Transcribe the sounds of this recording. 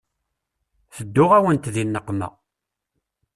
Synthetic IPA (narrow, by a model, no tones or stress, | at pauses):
θəd̪ːʊʁæwənt̪ðinːəqːmæ̰